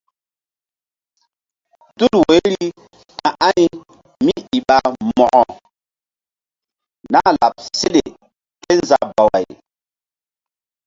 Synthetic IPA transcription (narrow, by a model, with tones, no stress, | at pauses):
tu˦lwe˨˦ɾi˦ | kã˨ʔa˦ni˦ | mi˦i˨ɓa˨mɔ˨ʔɔ˨ | na˦la˨p̚se˦ɗe˨ | ke˦nza˨ba˨wa˨j